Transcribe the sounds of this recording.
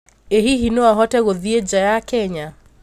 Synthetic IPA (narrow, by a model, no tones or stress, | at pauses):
ehiɦinoaɦɔtɛɣoðied͡ʒajakɛɲa